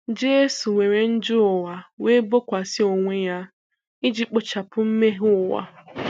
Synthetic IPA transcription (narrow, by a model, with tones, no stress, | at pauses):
d͡ʒe˦su˨ŋʷe˨ɾe˨n̩˦d͡ʒʊ˦ʊ˨wa˨we˦bo˦kʷa˨sɪ˦o˨ŋʷe˦ja˦ | ɪ˦d͡ʒi˦k͡pʊ˨t͡ʃa˨pʊ˦m̩˦me˦ɦʊ˦˨wa̰˨